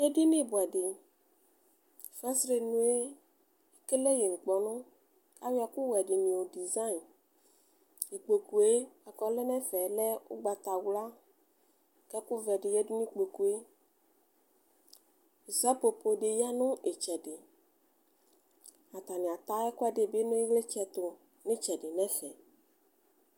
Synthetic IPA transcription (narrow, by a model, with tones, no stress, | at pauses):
jɛ˦dɪ˦nɪ̃˦bʊ˨ɛ˨dɪ˨ | fɛ˦sɾe˨nũ˨˦e˦ | ke˦le˦ji˨ŋ̩˨k͡pɔ˨nʊ̃˦ | ka˦wja˨kʊ˦wɛ˨dɪ˨nĩ˨o˨di˨za˦i˨n | i˨k͡po˨ku˨e˦a˨kɔ˨˦lɛ˦nɛ˦fɛ˨lɛ˦ʊ̰˦ɡ͡ba˨t̪a˨wla˦ | kɛ˦kʊ˦vɛ˨ɖɪ˨jɛ˦du˦nĩ˦k͡po˨ku˨e˦˨ | zɛ˦po˨po˨ɖɪ˨ja˦nʊ̃˦e˨t͡ʃɛ˨ɖɪ˨ | a˨t̪a˨nĩ˨a˨t̪a˦ɛ˦kʊ˦ɛ˦dɪ˨be˦nʊ̃˦e˦ɣle˦t͡ʃɛ˨t̪ʊ˨ | nɪ̃˦t͡ʃɛ˨ɖɪ˨nɛ̃˦fɛ˨